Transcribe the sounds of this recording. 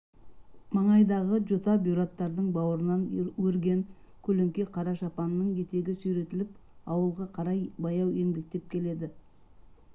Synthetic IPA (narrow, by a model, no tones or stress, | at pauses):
mɑɴɑjd̪ɑʁəʒot̪ɑbjuɾat̪ːɑɾd̪əɴbɑwəɾənɑnwɵɾɡʲe̞ŋ | kʲʰɵleŋkʲe̞qʰɑɾɑʃɑpɑnːəɴkʲʰe̞t̪e̞ɡʲɪsɵjɾe̞t̪ɪlɪpɑwəlˠʁɑqʰɑɾɑjbɑjɑwe̞ŋbe̞k̚t̪e̞p̚kʲʰe̞le̞d̪ɪ